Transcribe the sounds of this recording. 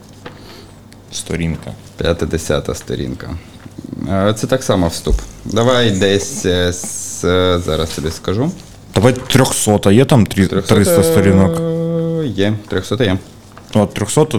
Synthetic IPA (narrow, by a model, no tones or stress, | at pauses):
st̪ɔ̰ɾʲinkɐ̰pʲjat̪ɪd̪ɪsʲa̰t̪ɐ̰st̪ɔ̰ɾʲḭnkɐ̰ | t̪sɛt̪ɑksɑmɐwst̪upd̪ɐʋɑjd̪ɛsʲ | zɑ̰ɾɐst̪ɛb̪ɪskɐʒu | d̪̥ɐʋajt̪ɾʲɔxsɔt̪ɐjɛt̪amt̪ɾʲiɾʲɔxsɾɪt̪ɐst̪ɔɾʲinɔk | jɛt̪ɾʲɔxsɔt̪ɐjɛ | ɔt̪ːɾʲɔxsɔt̪ɐ